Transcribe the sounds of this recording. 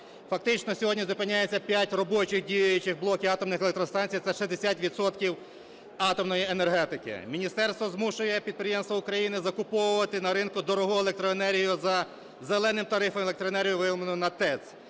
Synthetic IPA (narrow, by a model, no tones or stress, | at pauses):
fɐk̚t̪ɪt͡ʃnɔsʲɔɦɔdʲnʲizʊpɪnʲːajet͡sʲːɐpʲjatʲrɔbɔt͡ʃɪxdʲijʊjʊt͡ʃɪxblˠɔkʲiɑt̪ɔmnɪxelˠek̚t̪ɾɔst̪ɑnʲt͡sʲijt̪ɛʃizd̪esʲatʲʋʲid̪sɔt̪kʲiw | ɑt̪ɔmnɔjienerɦɛt̪ɪkɪ̰mʲinʲist̪ɛrst̪ʋɔzmuʃʊjɛpʲid̪̚pɾɪjemst̪ʋɐʊkɾɐjinɪzɐkʊpɔwʊʋɐt̪ɪnɐɾɪnkʊd̪ɔɾɔɦɔelˠek̚t̪ɾɔenɛɾʲɦijʊzɐ | zelˠɛnɪmt̪ɐɾɪfɐmlˠekt̪ɾɔenɛɾʲijʊʋɪmɐnʊnɐt̪ɛt̪s